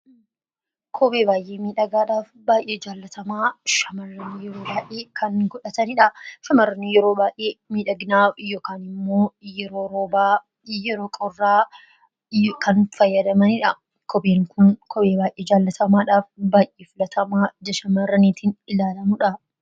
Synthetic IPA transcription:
kʰɔbeːbaːjʔeːmiːᶑɐɡaːᶑaːfbaːjʔeːd͡ʒaːlːɐt̪ʰɐmaːʃɐmɐrːɐniːjɛɾoːbaːʔeːkʰɐŋɡɔᶑɐt̪ɐnɪᶑɐʃɐmɐrːɐnijɛɾoːbaːʔeːmiːᶑɐɡnaːjoːkaːnɪmːo̞ːjɛɾoːɾoːbaː | jɛɾoːkʼɔrːaː | kɐnfɐjːɐd̪ɐmɐnɪᶑɐ | kʰɔbeːŋkʰʊnkʰɔbeːbaːjʔeːd͡ʒaːlːɐt̪ɐmaːᶑaːfbaːjʔeːfɪlɐt̪ʰɐmaːd͡ʒɐʃɐmɐrːɐniːt̪ʰiːnɪlaːlɐmʊᶑɐ

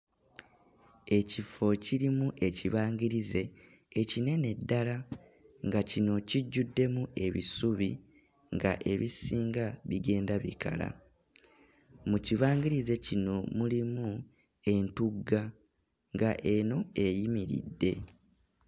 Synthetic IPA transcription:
e̞cifo̞ciɾimuʔe̞ciβaːŋɡiɾize̞ː | cine̞ne̞dːala | ŋɡacino̞ciɟːudːe̞mue̞βḭsuβi | ŋɡa̰ʔe̞βisiːŋɡaβiɡe̞ːndaβḭka̰la̰ | muciβaːŋɡiɾize̞cino̞mulimu | e̞ntuɡa | ŋɡaʔe̞no̞e̞jimiɾḭdːe̞

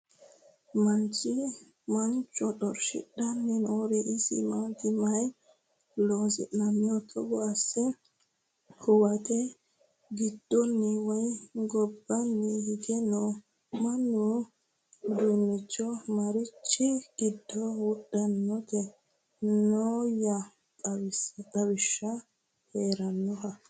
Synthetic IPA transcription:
mant͡ʃi | mant͡ʃɔɗɔɾʃḭɗanːinɔɾɛʔisḭmat̪imaj | lɔzɛ̰namɔt̪ʰɔɡɔasɛ | kʰɔwatɛ | ɡidːonːiwajɡɔbːɐnːɛhɪɡ̪ɛnɔ | mɐnːu | d̪unːɪt͡ʃːɔmɐɾɪt͡ʃːɪɡɪd̪ːɔwɔɗːɐnːɔt̪ɛ | noːjɐ | tʼɐwɪst̪ʼɐwɪʃːɐ | heːɾɐnːɔɦɐ

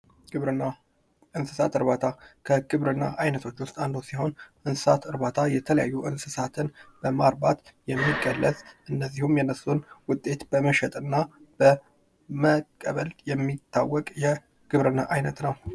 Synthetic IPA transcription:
ʔɨnsɨsat̪ɨɾβat̪ʰakʰəɡɨβɾɨnːa̰ʔajnət̪ʰo̞t͡ʃːwʊst̪ʼand̪usiho̞nʔɨnsɨsat̪ʰɨɾbat̪ʰajɛt̪ʰələja̰jːuʔɨnsɨsat̪ʰɨnb̥əmaɾbat̪jɛmːiɡəlːəzʼʔɨnːəzːihumjɛnːəsːunwʊt̪ʼe̞t̪bəməʃɛt̪ʼɨnːab̥ə | məkʼːəβəljɛmːit̪ʰːawːɔkʼjɛ | ɡ̥ɨβɾɨnːaʔajnət̪nəw

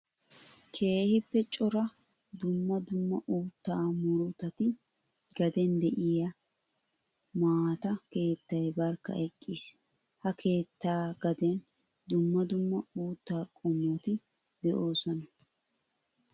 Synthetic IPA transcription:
kʰe̞ːhɪpːɛt͡ʃʼɔɾɐ | d̪ʊmːɐd̪ʊmːɐʔuːt̪ːaːmʊɾʊt̪ɐt̪ɪ | ɡɐd̪ɛnd̪ɛʔɪjɐ | maːt̪ɐke̞ːt̪ːɐjbɐɾkːɐ̰ʔɛkʼːis | hɐkʰe̞ːt̪ːaːɡɐd̪ɛn | d̪ʊmːɐd̪ʊmːɐuːt̪ːaːkʼɔmut̪ɪ | d̪ɛʔo̞ːsɔnɐ

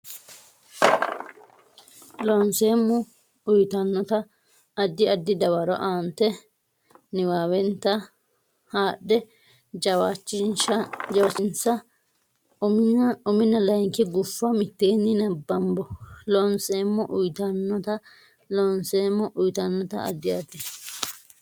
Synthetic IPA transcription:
lɔnseːmːɔ | ʊjt̪ɐnːɔt̪ɐ | ɐd̪ːɪɐd̪ːɪd̪ɐwɐɾɔ̰ʔaːnt̪ːɛ | nɪwaːwɛnt̪ːɐ | haːɗɛ | d͡ʒɐwat͡ʃːɪnʃɐd͡ʒɐwɐsɪnsɐ | ʊmɪnːɐlɐjŋkɪɡʊfːɐmɪt̪ːeːnːɪnɐbːɐmbɔlɔnseːmːɔʔʊjt̪ɐnːɔt̪ɐ | lɔnseːmːɔʔʊjt̪ɐnːɔt̪ɐ̰ʔɐ̰d̪ːɪɐd̪ɪ

